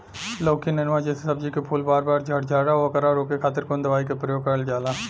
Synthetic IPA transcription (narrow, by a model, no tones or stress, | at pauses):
loːkinenʋaːd͡ʒeːsesɐb̚d͡ʒikepʰuːlbaːɾbaːɾd͡ʒʱəʈd͡ʒaːɽaokəɾaːɾoːkekʰaːt̪əɾkond̪əʋaːikepɾəjoːɡ̚kəɾəld͡ʒaːlaː